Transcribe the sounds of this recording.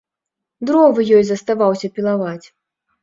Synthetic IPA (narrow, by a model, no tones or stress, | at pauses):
d̪ɾɔvɨjɔjzɐst̪avawsʲɐpʲilˠavat͡sʲ